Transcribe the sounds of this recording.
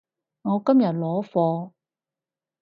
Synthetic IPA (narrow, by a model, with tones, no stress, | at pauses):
ŋɔː˨˧kɐ˥mjɐ˨˩t̚lɔː˨˥fɔː˧